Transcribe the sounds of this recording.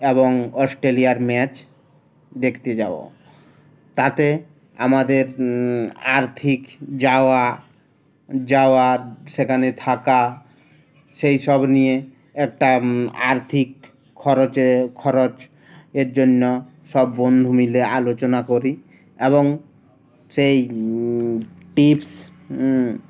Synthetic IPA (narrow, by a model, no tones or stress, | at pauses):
eboŋɔsʈɾelijaɾmɛt͡ɕ | d̪ekʰt̪ed͡ʑao̰ | t̪at̪e | a̰mad̪eɾ | a̰ɾt̪ʰikd͡ʑaoa | d͡ʑaoaɾʃekʰanet̪ʰaka | ʃejʃɔbnije | ɛk̚ʈaa̰ɾt̪ʰikʰː | ɔɾot͡ʃekʰːɔɾot͡ʃ | eɾd͡ʑonːo | ʃɔbːond̪ʱumilealot͡ɕonakoɾi | eβoŋ | sej | ʈips